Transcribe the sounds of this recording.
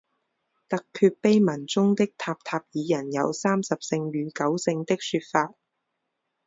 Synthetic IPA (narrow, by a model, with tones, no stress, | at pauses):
t̪ɐ˨kʰːyː˧t̚pe˥jmɐ˨˩nt͡sʊ˥ŋt̪ɪ˥k̚t̪ʰaː˧p̚t̪ʰaː˧p̚jiː˨˧jɐ˨˩njɐ̰˨˧wsaː˥msɐ˨p̚sɪ˧ŋɥyː˨˩kɐ˨˥wsɪ˧ŋt̪ɪ˥k̚syː˧t̚faː˧t̚